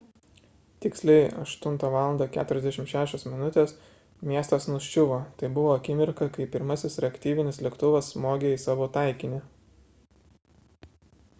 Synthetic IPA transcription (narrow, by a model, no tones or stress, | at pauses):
t̪ʲɪksʲlʲɛɪɐ̰ʃt̪ʊnt̪ɑʋɑːlˠɐnd̪ɑkʲæ̰ːt̪ʊɾʲɛzd̪ʲæʃʲɪmtʃʲæːʃʲoːsmʲɪnʊt̪ʲeːs | mʲiɛst̪ɐsnʊʃʲt͡ʃʲʊʋoːt̪ɐɪbʊʋoːɐkʲɪmʲɪɾkɐkɐɪpʲɪɾmɐsʲɪsɾʲɛɐkt̪ʲiːʋʲɪnʲɪslʲiɛkt̪ʊʋɐsmoːɡʲeːɪsɑːʋot̪ɑˑɪkʲɪnʲɪ